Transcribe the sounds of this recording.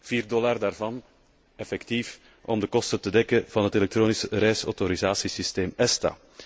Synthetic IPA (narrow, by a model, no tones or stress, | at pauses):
v̥iːrdɔlardaːrvɑn | ɛfɛktif | ʔɔmdəkɔstətədɛkəv̥ɑnɦətelɛk̚tɾoːnisəɾɛːjsɔ̰wtoɾizaːsisisteːmɛsta̰ː